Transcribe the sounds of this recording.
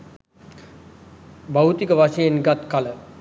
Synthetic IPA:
bawt̪ikəʋaʂəjenɡat̪kalə

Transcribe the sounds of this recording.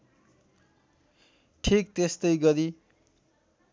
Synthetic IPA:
ʈʰik̚t̪est̪ʌjɡʌɾi

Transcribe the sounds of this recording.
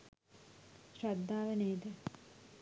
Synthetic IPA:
ʃrad̪ʱːaːʋeneːd̪ə

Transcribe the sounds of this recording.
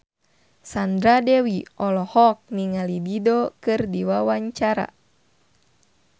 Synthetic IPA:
sand̪ɾadɛwiɔlɔhɔk̚niŋalididɔkɨrdiwawaɲt͡ʃaɾa̰

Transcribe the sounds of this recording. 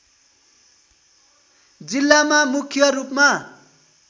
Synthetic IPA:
d͡zilːamamukʰjʌrupma

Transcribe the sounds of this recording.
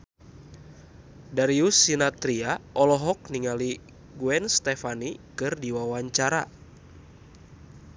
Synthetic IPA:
daɾiusinat̪ɾiaʔɔlɔɦɔk̚niŋali | ɡuɛnst̪ɛfanikɨrdiwawaɲt͡ʃaɾa̰

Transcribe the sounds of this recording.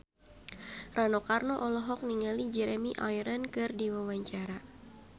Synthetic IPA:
ranɔkarnɔʔɔlɔɦɔk̚niŋalid͡ʒɛɾɛmiʔajɾənkɨrdiwawaɲt͡ʃaɾa

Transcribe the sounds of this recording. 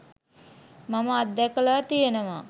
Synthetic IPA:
maməad̪ːɛkəlaːt̪ijenəʋa

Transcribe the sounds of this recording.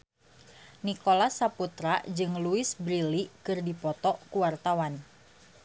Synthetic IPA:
nikolasaput̪ɾad͡ʒɨŋluɪsbɾilikɨrdipɔt̪ɔʔkuwart̪awan

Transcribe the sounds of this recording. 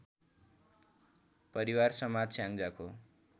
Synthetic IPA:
pʌɾiwarsʌmad͡zsjãŋd͡zakʰo

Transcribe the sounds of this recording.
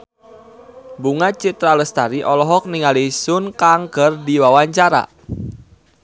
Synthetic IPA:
buŋat͡ʃit̪ɾaləst̪aɾiʔɔlɔɦɔk̚niŋalisʊnkaŋkərdiwawaɲt͡ʃaɾa̰

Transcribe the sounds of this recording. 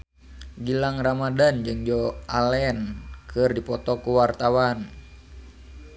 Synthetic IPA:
ɡilaŋramadand͡ʒɨŋd͡ʒɔalɛnkɨrdipɔt̪ɔkuwart̪awan

